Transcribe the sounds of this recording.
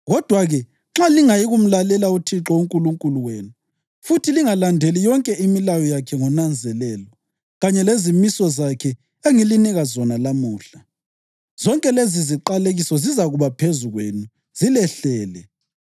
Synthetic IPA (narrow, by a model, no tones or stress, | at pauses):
ɣɔd̥ʱwaɣɛ | ŋ͡ǁaliŋajiɣum̩lalɛlautʰiǁɔuŋkʼuluŋkʼuluweːnu | futʰiliŋalandʱelijɔŋkʼɛimilajɔjakʰɛŋɔnand͡zʱɛlɛlɔ | ɣaɲɛlezimisɔzakʰɛ | eŋiliniɣazɔnalamuːɬa | z̥ɔŋkʼɛleziziǃaleɣisɔzizaɣuβapʰezuɣwenu | z̥ilɛɬɛːlɛ